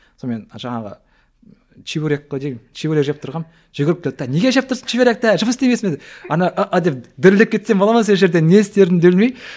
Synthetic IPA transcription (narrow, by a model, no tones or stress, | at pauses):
some̞nʒɑɴɑʁə̰ | t͡ʃʰivʲoɾʲekːəd̪ejmt͡ʃʰivoɾekʒep̚t̪ʰʊɾʁɑn | ʒ̥ʏɡʲɪɾɪp̚kʰʲlʲd̪̚t̪æne̞ɡʲeʃep̚t̪ʰʊɾsə̥nt͡ʃʰivʲoɾek̚t̪æʒəməst̪emesmed̪ɑnɑʔəʔad̪ep̚d̪ɪɾlɪp̚kʰʲe̞t̪sembolˠɑməns̬eʒe̞ɾd̪enest̪e̞ɾɪnd̪eblmej